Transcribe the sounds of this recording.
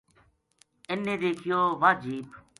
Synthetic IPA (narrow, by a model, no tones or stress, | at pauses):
ɪnːẽːd̪eːkʰɪjoːʋaːd͡ʒiːb